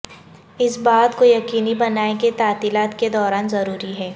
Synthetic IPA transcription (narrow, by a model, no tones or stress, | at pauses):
ɪsbaːd̪kojɐkiːnibɐnaːeket̪aːt̪iːlaːt̪ked̪ɔːɾaːnzɐɾuːɾiɦɛː